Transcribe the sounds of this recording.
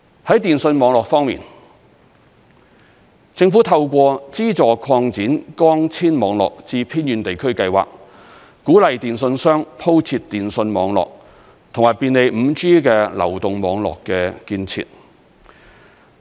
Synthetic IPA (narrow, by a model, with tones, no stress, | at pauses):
hɐ˨˥jt̪iː˨nsɵ˧nmɔː˨˧ŋlɔː˨k̚fɔː˥ŋmḭː˨˩n | t͡sɪ˧ŋfuː˨˥t̪ʰɐ˧wkʷɔː˧t͡siː˥t͡sɔː˨kʰɔː˧ŋt͡siː˨˥nkɔː˥ŋt͡sʰiː˥nmɔː˨˧˥ŋlɔ̰ː˨k̚t͡siː˧pʰiː˥njyː˨˧nt̪e˨jkʰɵ˥ɥkɐ˧jwa̰ː˨k̚ | kuː˨˥lɐ˨jt̪iː˨˩nsɵ˧nsœː˥ŋpʰo˥wt͡sʰiː˧t̚t̪ːiː˨˩nsɵ˧nmɔː˨˧ŋlɔ̰ː˨k̚ | t̪ʰʊ˨˩ŋwaː˨˩jpiː˧nle˨˧jm̩ː˨˧t͡siː˥kɛː˧lɐ̰˨˩wt̪ʊ˨ŋmɔː˨˧ŋlɔ̰ː˨kːɛː˧kiː˧nt͡sʰḭː˧t̚